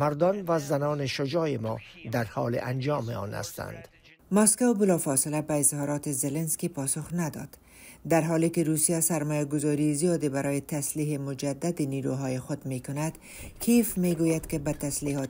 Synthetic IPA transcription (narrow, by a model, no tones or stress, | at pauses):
maɾd̪ɒnvazanɔːneʃod͡ʒɒːjemɔ̰ːd̪aɾhɒːlḛʔand͡ʒɒːmeɒ̰ːna̰st̪a̰nd̪̥ | mɔskawbɪlɒfɒsɪlabaɪzhɒɾɒt̪ɪzelenskipɒsʊxnad̪ɒ̰d̪̥ | d̪aɾɦɔlekɪɾusijasaɾmɔjaɡʊzɒɾizijɒd̪ebaɾʔɔjet̪asliːɦemʊd͡ʒad̪ːad̪ɪniɾuɦɒjɪxʊd̪mekʊnad̪ | kʰifmeɡojad̪kɪbat̪asliɦɒ